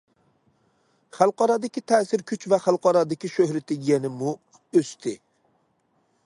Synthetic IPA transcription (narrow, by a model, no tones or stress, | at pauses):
χælˠqɑɾɑd̪ɪkʲit̪ʰɛːsɪɾkʲʰyt͡ʃvɛχælˠqɑɾɑd̪ɪkʲiʃøhɾɪt̪ɪɡʲɛnɪmu | øst̪ʰɪ